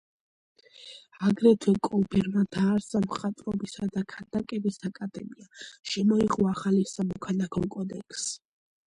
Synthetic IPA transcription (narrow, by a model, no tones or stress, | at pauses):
aɡɾɛt̪ʰwɛkʼɔbɛɾmad̪aːɾsamχat̪ʼɾɔbisad̪akʰad̪akʼɛbisakʼad̪ɛmiaʃɛmɔiʁʼɔaχalisamɔkʰalakʰɔkʼɔd̪ɛkʰs